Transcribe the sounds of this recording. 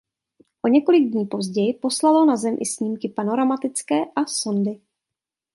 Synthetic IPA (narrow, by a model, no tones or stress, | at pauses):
ʔo̞ɲɛko̞lɪɡ̚dɲiːpo̞zɟɛjɪpo̞slalonazɛmʔɪ̰sɲiːmkɪpano̞ɾamat̪ɪt͡skɛːʔaso̞ndɪ